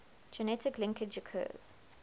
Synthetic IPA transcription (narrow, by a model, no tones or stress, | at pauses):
d͡ʒɛnɛtɪklɪ̃ŋkəd͡ʒəkʰɜ̰ːz̥